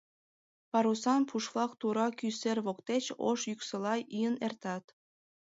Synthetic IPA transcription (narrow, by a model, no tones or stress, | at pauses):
pɑɾusɑnpʰuʃβlɑk̚t̪uɾɑkyserβokt̪et͡ɕo̰ʃjyksəlɑjiənert̪ɑt̪